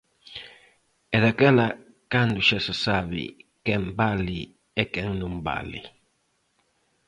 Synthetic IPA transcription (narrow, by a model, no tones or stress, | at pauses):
ɛðakɛla | kand̪uʃɛsɛsaβḭkɛmbali | ɛkɛŋnũmba̰lḭ